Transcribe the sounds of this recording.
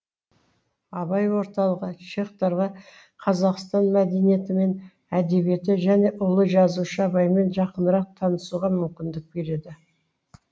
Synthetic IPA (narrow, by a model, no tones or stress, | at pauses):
ɑbɑjwo̞ɾt̪ɑlˠəʁət͡ʃe̞χt̪ɑɾʁɑ | qʰɑzɑqst̪ɑnmæd̪e̞nije̞t̪ɪme̞n | æd̪e̞bje̞t̪ɪʒæne̞ʔʊlˠəʒɑzuʃəɑbɑjme̞nʒɑqənəɾɑq̚t̪ʰɑnəsuʁɑmʏmkʲɪnd̪ɪk̚be̞ɾe̞d̪ɪ